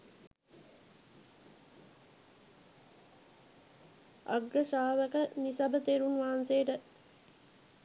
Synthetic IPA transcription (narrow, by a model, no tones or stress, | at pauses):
a̰ɡɾəʃaːʋəkənisabət̪eːɾunʋaɦanseːəʈə